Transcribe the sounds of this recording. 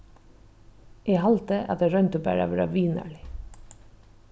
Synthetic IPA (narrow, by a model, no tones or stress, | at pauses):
ʔeːɦɑlt̪əʔɑ̰t̪eɾœnt̪əbæːɹa̰ʋɛːɾɑ̰ʋiːnə̰ɭɪ